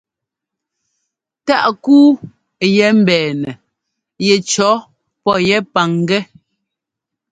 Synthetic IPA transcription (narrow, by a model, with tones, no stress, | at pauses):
ta˦˨ʔkuː˦ | jɛ˨˦m̩˦˨bɛː˨nɛ˨ | jɛ˨t͡ʃɔ˨˦ | pɔ˦jɛ˦pa˨ŋ˦ɡɛ˦